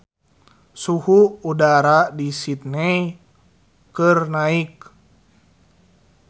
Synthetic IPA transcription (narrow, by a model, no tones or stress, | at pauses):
suhuːdaɾadisit̪̚nɛj | kɨrnaik̚